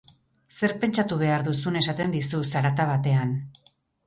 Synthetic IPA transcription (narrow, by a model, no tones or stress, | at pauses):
se̞ɾpe̞nt͡ʃat̪uβ̞e̞aɾðusune̞sat̪e̞nd̪isusaɾat̪aβat̪e̞an